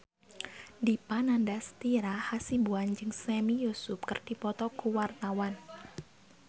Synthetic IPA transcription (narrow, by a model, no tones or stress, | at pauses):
dipanandast̪iɾahasibuand͡ʒɨŋsɛmijusʊp̚kərd̥i̤pɔt̪ɔkuwart̪awan